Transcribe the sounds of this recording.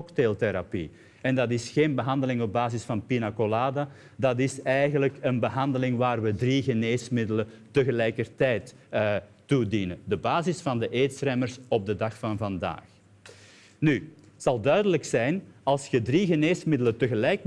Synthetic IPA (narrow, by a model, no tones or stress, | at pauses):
ktelˠteɾapḭ | ɛndɑtɪsxeːnbəɦɑndəlɪŋɔb̚baːzɪsfɑnpinakolaːda | dɑtɪsɛjɣənləkənbəɦɑndəlɪŋʋaːrʋədriɣəneːsmɪdələ | təɣəlɛjkərtɛjtː | udinədəbaːzɪsfɑndəʔeːtsrɛmərsɔb̚dədɑxfɑnvɑnda̰ːx | ny | z̥ɑlˠdœɥdələksɛjnɑlˠsxədriɣəneːsmɪdələtəɣəlɛjk̚